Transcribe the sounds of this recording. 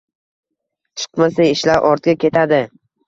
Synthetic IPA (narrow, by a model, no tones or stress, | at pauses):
t͡ʃʰɨ̥qmasajɪʃlaɾʔɒɾt̪ɡʲakʲe̞t̪ʰad̪ɪ